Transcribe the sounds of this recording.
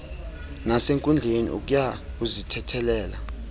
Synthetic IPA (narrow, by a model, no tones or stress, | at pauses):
naseŋkʼund͡ɮʱenḭʔṵk̬ʼujak̬uzitʰɛtʰɛlɛːla